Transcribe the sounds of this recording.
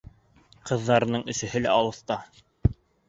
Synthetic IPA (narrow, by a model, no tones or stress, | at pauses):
qɤ̆ðːɑɾɤ̆nɤɴɵ̆sɘ̆hɘlæɑlˠɤ̆θt̪ɑ